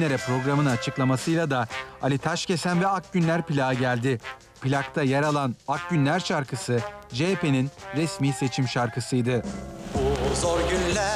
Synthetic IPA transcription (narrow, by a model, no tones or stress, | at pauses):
lʲeɾɛpɾo̞ɡɾamɯnat͡ʃʰɯklˠamasɯjlˠad̪aalʲit̪ʰaʃce̞sænvɛak̚ɟynlʲæɾpilʲaːɟælʲd̪ɪ | pilʲakt̪ʰajaɾalˠanak̚ɟynlʲæɾʃaɾkɯsɯd͡ʒepe̞ninɾɛsmiːse̞t͡ʃʰimʃaɾkɯsɯjd̪ɯ | zoɾɟynlʲæ